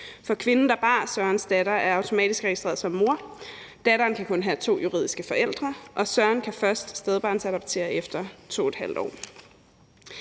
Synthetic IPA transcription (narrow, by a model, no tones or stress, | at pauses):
fɒ̽kʰʋe̝nn̩d̥ɑ̈b̥ɑ̈ːsɶɐnsd̥æɾɐʔæɐɑ̈ʊt͡sʰo̝mɛ̰ːd̥isɡ̥ʁɛɡ̥isd̥ʁɛ̰ːɐðˠsɒ̽mːo̝ɐ | d̥æɾɐːnkʰækʰɔ̽nɦæt͡sʰo̝̰ːjuʁḭð̰ˠisɡ̥əfɒ̽ʔel̰d̥ʁɐʔɒ̽sɶɐnkʰæfɶɐsd̥sd̥eð̞ˠb̥ɑ̈ːnsæɾ̥ɑb̥̚t͡sʰe̝̰ːɐefd̥ɐt͡sʰo̝̰ːed̥hæl̰d̥ɒ̰ː